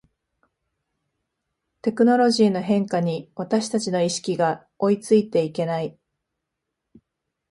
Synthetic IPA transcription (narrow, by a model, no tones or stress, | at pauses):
t̪e̞kɯ̟no̞ɾo̞ʑiːno̞ɦẽ̞ŋkaɲ̟iβat̪aɕi̥t̪at͡ɕino̞iɕi̥kʲiɡa | o̞it͡sɨit̪e̞ike̞nai